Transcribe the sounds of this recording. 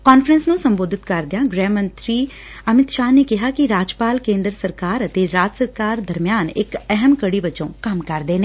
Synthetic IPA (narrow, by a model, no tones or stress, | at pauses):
kaːnfʰɾənsnũːsəmboːd̪ʱɪt̪kəɾd̪ɪjãːɡɾɛ̃ːmə̃nt̪ɾiː | əmɪt̪ʃaːneːkɪɦaːkɪɾaːd͡ʒpaːlkẽːnd̪ɾəsəɾkaːɾət̪eːɾaːt̪səɾkaːɾd̪əɾmɪjaːnɪkɛɦəmkəɽiːʋət͡ʃõ̰ːkəmkəɾd̪eːneː